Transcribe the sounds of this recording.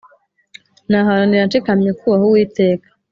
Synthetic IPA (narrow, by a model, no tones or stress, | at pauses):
naɦaɾaniɾant͡ʃekamɲekʰuwahuwiːte̞ːkḁ